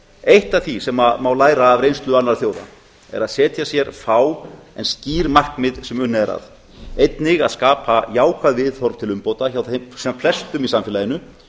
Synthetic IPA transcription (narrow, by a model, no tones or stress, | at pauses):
ejht̪aθisɛmamawlaːjɾaːvɾejnst̪lʏanːaɾ̥θjowða̰ | ɛ̰ɾaðsɛːt̪jasjɛɾfaːwɛnsciːɾmahkmɪðsɛmʏnːɛɾa̰ð | ejt̪nɪɣa̰ðskaːpʰajaːwkʰaðvɪðθɔɾv̥t̪ʰɪlʏmpowt̪açawθsɛmflɛst̪ʏmisamfɪlajɪnʏ